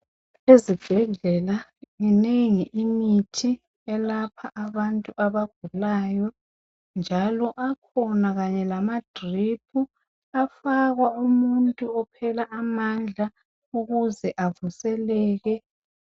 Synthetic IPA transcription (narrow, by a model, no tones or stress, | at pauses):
ezib̥ʱɛɮɛlaŋineŋiʔimitʰi | ɛlapʰaʔaβantʼuʔaβaɡ̥̚ʱulajɔ | nd͡ʒʱalɔʔakʰɔnaɣaɲɛlamad̥ʱripʰu | afaɣwaumuntʼuɔpʰɛlaʔːmand͡ɮʱa | uɣuzɛʔavusɛlɛːɣɛ